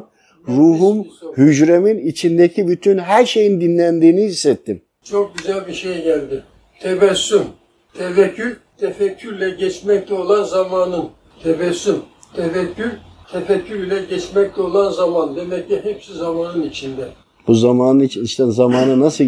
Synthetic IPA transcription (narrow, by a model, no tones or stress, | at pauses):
ɾuːɦumhyd͡ʒɾeminit͡ʃʰind̪ecʰibyt̪ʰynɦæɾʃejind̪inlʲænd̪iːniɦisːɛt̪ʰːim | t͡ʃʰok̚ɟyzælʲbiʃejɟælʲd̪ɪ | t̪ʰevɛsːym | t̪ʰevɛcʰːyɾt̪ʰɛfɛcʰːyɾlʲɛɟɛt͡ʃmɛc̚t̪ʰɛo̞lˠanzamaːnɯn | t̪ʰevɛsːymt̪ʰevɛcʰːyɾt̪ʰefɛcʰːyɾilʲɛɟɛt͡ʃmɛc̚t̪ɛo̞lˠanzamand̪emɛcːiɦɛpsizamaːnɯnit͡ʃʰind̪ɛ | b̥uzamaːnɯnit͡ʃʰiniʃt̪ɛzamaːnɯnasɯ